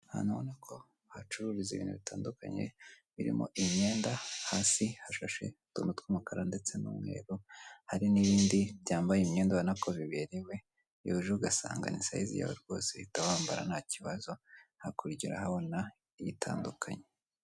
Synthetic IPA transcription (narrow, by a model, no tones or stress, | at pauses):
ha̰naβonakʰo̞ | hat͡ʃuɾuɾizeβiːnhuβitʰaːnduka̰ɲe̞̰βiɾḭmo̰ʔimɲe̞ːndahaːsihaʃaʃe̞̰tṵːnutwumukaɾande̞t͡se̞nṵmwe̞̰ːɾuhaɾiniβiːndiβjaːmbajimɲe̞ːndaβanakoβiβe̞ɾewe̞ | ouʒeuɡasa̰ːŋɡa̰nisa̰jizḭja̰βo̰ɾɡo̞̰ːseitawaːmbaɾa̰nhaciβazo̞hakuɾiɟiɾa̰haβo̞na | ijitʰa̰ːndukʰa̰ɲe